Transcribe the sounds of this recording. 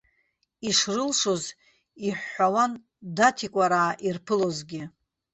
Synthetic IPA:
iʂrɨlʂo̞z | iħːawan | datʰikʷʼaɾaːʔirpʰɨlo̞zɡʲɪ

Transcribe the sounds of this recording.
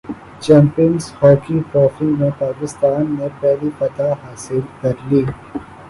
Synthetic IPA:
t͡ʃɛ̃ːmpiənzhɔːkiʈɾɔːfimẽpaːkɪst̪aːnːepɛɦlipɐt̪aɦaːsɪlkɐɾliː

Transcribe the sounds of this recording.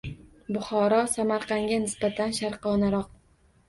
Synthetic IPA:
bʊχɒɾɒsamaɾqʰɑŋɡʲanɪsbat̪ʰanʃaɾqɒnaɾɒq̚

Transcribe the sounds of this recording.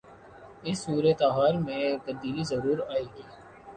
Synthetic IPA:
ɪsːuːɾet̪aɦaːɾmẽt̪ɐb̚d̪iːlizɐɾuːɾaːeːɡiː

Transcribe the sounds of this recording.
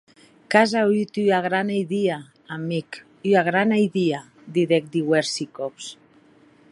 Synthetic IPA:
kazayt̪yaɣɾanajðiaː | mik | yaɣɾanajðia | d̪iðek̚d̪iweɾsikops

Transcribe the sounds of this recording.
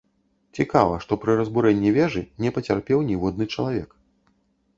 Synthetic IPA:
t͡sʲikavɐʂt̪ɔpɾɨɾɐzbuɾɛnʲːivʲɛʐɨnʲɛpɐt͡sʲarpʲɛwnʲivɔd̪nɨt͡ʂɐlˠavʲɛk

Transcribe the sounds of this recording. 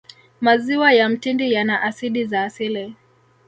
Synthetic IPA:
maziwajam̩tindijanaʔasiɗizaːsilɛ

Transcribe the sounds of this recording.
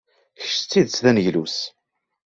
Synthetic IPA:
çəʃt͡sːiðt͡sːðænʝlus

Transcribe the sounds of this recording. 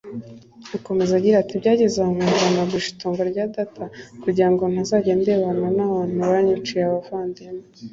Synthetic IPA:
ako̞me̞zaɟiɾatibɟaːɟezaamaɡanaɡuʃi̥toːŋɡoɾɟaːdatʰakuɟiɾaŋɡo̞nhazaːɟe̞ːndeβananaβaːnhuβaɲut͡ʃijeaβafaːndemo

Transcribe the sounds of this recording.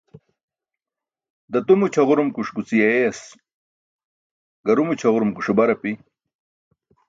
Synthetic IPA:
d̪ɐt̪umut͡ɕʰɐʁuɾumkuʂkut͡sijɐeɐs | ɡɐɾumut͡ɕʰɐʁuɾumkuʂubɐɾɐpi

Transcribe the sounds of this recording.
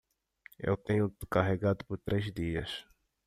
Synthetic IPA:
ḛwt̪ẽɲʊkaɦeɡad̪ʊpʊɾt̪ɾezd̪iɐs

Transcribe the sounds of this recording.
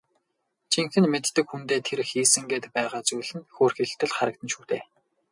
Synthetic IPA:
t͡ɕʰiŋxɘ̆nmet̪ːɘ̆kxunt̪eːt̪ʰeɾxiːsɘ̆ŋɡeːt̪pæːʁaːt͡sujɮɘ̆nxoːrxiɬt̪ːɘ̆ɮχaɾə̆k̚t̪ʰɘ̆nʃuːt̪ʰeː

